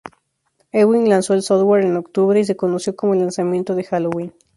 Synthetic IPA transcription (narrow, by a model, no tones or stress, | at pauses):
ewinlanso̞elsoðwaɾeno̞kt̪uβɾeis̬e̞kono̞sjo̞ko̞mo̞lansamjẽnt̪oðe̞xalowin